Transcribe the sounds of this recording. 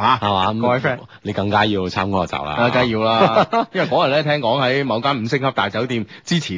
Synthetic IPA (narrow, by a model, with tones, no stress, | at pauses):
haː˨˧ha˨˧waː˨˧˦ɔ˧˨˩fɛː˥ | ne˨˧jkɐ˧ŋkaː˥jiː˧wt͡sʰaː˥mkɔː˥ɔ˨t͡sa̰ː˨w̚la̰ː˧a˧ka˨˥jiː˧wlaː˦˥jjwɐ˨˩kɔː˨˥jɐ˨t̚lɛː˥t̪ʰɛː˥ŋkɔː˨˥ŋhɐ˨˥jmɐ˨˧wkaː˥nm̩˨˩sɪ˥ŋ̚kʰɐ˥t̪aː˨jt͡sɐ˨˥wt̪iː˧mt͡siː˥t͡sʰiː˨˩